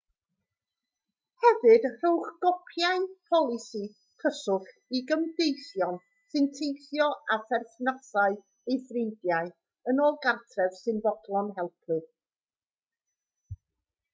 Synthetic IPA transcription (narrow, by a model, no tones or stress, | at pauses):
hɛvɨd̥r̥uwχɡ̥ɔpʰjaɨpʰɔlˠɪsi | kʰəsʊχ | iɡəmdejθjɔn | sɨntʰejθjɔaθɛrθnasaɨ | ejθrɪndjaɨ | ənoːlˠɡartʰrɛv̥sɨnvɔdlˠɔnɦɛlˠpʰɨ